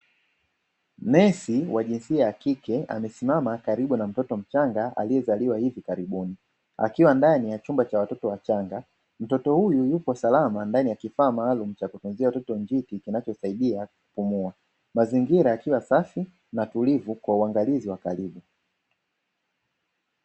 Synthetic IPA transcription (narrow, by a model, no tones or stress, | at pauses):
mɛsiwaʄinsiajaːkikɛa̰mɛsimamakaɾiɓunam̩tɔtɔm̩t͡ʃaŋɡaʔa̰lijɛzaliwahivikaɾiɓuni | a̰kiwandanijat͡ʃumbat͡ʃawatɔtɔwat͡ʃaŋɡa | m̩tɔtɔhujujupɔsalamandanijakifaːmaːlum̩t͡ʃakutunziawatɔtɔɲd͡ʒitikinat͡ʃɔsaiɗiaku̥pumua | maziŋɡiɾaːkiwasafi | natulivukwauaŋɡaliziwakaɾiɓu